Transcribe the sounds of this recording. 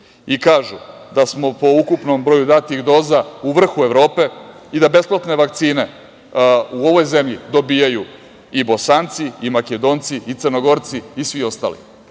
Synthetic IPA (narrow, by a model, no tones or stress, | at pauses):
ikaːʒu | d̪asmo̞po̞ukupno̞mbɾo̞jud̪aːt̪iɣd̪o̞ːzauʋr̩xue̞ʋɾo̞ːpe̞ | id̪abe̞splˠat̪ne̞ʋakt̪siːne̞ | uo̞ʋo̞jzemʎid̪o̞bijaju | ibo̞sant̪siimaked̪o̞ːnt̪siːt̪sərnoɡo̞ɾt̪siːsʋio̞st̪a̰ːlḭ